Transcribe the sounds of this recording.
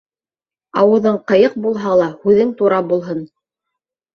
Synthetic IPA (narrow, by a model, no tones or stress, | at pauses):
ɑwɤ̆ðɤɴqɤ̆jɤq̚bulˠɦɑlˠɑhʉðɘŋt̪uɾɑbulˠɦɤn